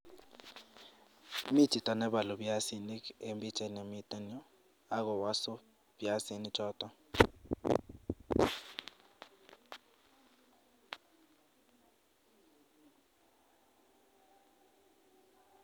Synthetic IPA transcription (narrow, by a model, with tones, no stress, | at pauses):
mi˦tʰi˨tʼa˨nɛ˦ɓa˨lu˨bja˦si˦ni˦ke˨mbi˦t͡ʃʰʼɛ˨ne˨mi˦tʼa˦ni˦ɔ˦ | a˦k̬ɔ˨wa˦sɔ˦ | bja˦si˦ni˦t͡ʃʰɔː˦tʼɔ˦